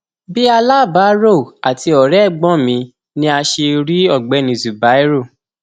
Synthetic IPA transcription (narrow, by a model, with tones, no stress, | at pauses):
bi˦a˧la˦˨ba˨˦ɾo˦˨a˨ti˧ɔ˨ɾɛ˦˨ɡ͡bɔ̃˦mĩ˧ | nĩ˦a˧ʃe˧ɾi˦ɔ˦˨ɡ͡bɛ˨˧˦nĩ˨zu˨ba˨˦i˦ɾo˦˨